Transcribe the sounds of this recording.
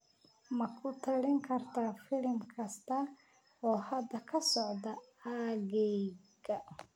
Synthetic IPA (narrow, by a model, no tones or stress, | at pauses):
mɐkʰʊt̪ʰɐɽɪŋkʰɐrt̪ʰafɪlmkʰɐst̪ʰɐ | ɔːhɐd̪ɐkʰɐsɔʕd̪ɐaɣɛjɡɐ